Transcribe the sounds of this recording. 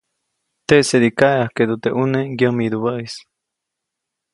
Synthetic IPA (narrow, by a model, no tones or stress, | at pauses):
t̪eʔseɾikaeahked̪ot̪eʔuneɡjəmiɾuβəʔis